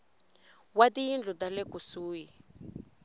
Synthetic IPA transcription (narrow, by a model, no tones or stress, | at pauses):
watijind͡ɮutalɛkusuːji